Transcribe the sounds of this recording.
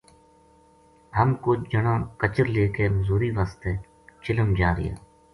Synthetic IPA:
ɦəmkoːd͡ʒəɳãːkət͡ʃəɾleːkeːməzuːɾiːʋaːst̪eː | t͡ʃɪləmd͡ʒaːɾɪ̰ja̰ː

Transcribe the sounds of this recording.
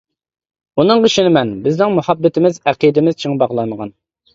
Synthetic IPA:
unɨŋʁəʃinɪmɛnbɪznɪŋmuhɑbːɪt̪ʰɪmɪzæqid̪ɪmɪz̥t͡ʃʰeŋbɑʁlˠɑməʁɑn

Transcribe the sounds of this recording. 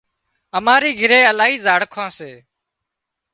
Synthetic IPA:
əmaːɾiːɡʱɪɾeːəlaːɦiːzaːɽkʰãːseː

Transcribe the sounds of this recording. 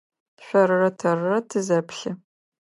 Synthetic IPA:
ɕʷɐrːɐtʰɐrːɐtʰɨzɐpɬɨ

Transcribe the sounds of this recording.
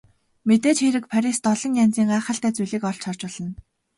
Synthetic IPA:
met̪eːt͡ɕxeɾɘ̆kpʰæɾʲist̪ɔɮɞ̆ŋjant͡siːŋaːχə̆ɬt̪æːt͡sujɮiːkɔɬt͡ɕʰɔr̥t͡ɕpɔ̆ɮ̥ɞ̆n

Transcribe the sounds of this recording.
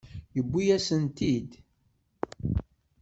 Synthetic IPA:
jəbʷːijæsənt̪id̪

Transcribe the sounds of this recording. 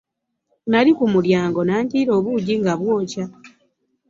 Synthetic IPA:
naɾikumuljaːŋɡo̞naːɲciːɾo̞ːβuɟiŋɡaβwo̞ːca

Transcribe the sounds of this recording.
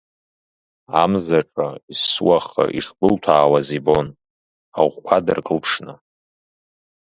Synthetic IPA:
amzaʈ͡ʂʼaiswaχa̰ʔḭʂbɨltʰaːwazibo̞n | aʁʷkʷʰadɨrkʼɨlpʰʂnɨ

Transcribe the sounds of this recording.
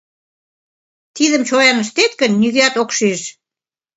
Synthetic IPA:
t̪iðə̆mt͡ɕojɑnəʃt̪et̪kə̆nːyɣæt̪okʃeʃ

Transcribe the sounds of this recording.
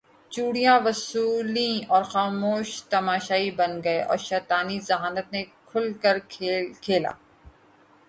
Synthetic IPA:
t͡ʃuːɽijãʋɐsuːlĩɔːɾxaːmoːʃt̪ɐmaːʃaːibɐnɡɐeʔɔ̰ːɾʃɛːt̪aːnizɐɦaːnət̪̚nẽkʰʊlkɐɾʰekʰeːla̰ː

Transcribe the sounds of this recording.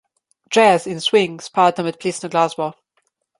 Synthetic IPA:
d̥ɹɛzɪ̃nswɪ̃ŋz̥pʰɑːdə̃mət̚pʰl̥isnəɡlazbɔ

